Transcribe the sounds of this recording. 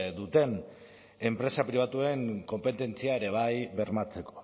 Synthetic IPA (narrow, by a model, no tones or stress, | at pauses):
d̪ut̪e̞n | e̞mpɾe̞sapɾiβ̞at̪ue̞ŋko̞mpe̞t̪e̞nt͡siae̞ɾe̞β̞ajβe̞ɾmat͡se̞ko̞̥